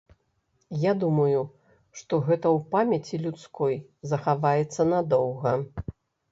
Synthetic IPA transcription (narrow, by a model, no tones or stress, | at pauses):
jad̪umɐju | ʂt̪ɔɣɛt̪ɐwpamʲɐt͡sʲilʲut̪skɔjzɐxavajɛt̪sːɐnad̪ɔwɣɐ